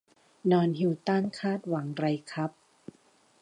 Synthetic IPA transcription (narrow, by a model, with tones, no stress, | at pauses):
nɔː˧nhi˧wt̪a˥˩nkʰaː˥˩t̪̚wa˨˩˦ŋɾa˧jkʰa˦˥p̚